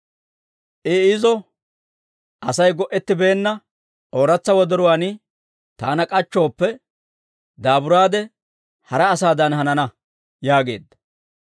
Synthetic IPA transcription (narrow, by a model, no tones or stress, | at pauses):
ʔɪɪzɔ | ʔɐsɐjɡɔʔɛt̪ːɪbe̞ːnːɐ | ʔoːɾɐt͡sːɐwɔd̪ɔɾʊwaːnɪ | t̪aːnɐkʼɐt͡ʃːo̞ːpːɛ | d̪aːbʊɾaːd̪ɛ | hɐɾɐːsaːd̪ɐnhɐnɐnɐ | jaːɡe̞̰ːd̪ːɐ̥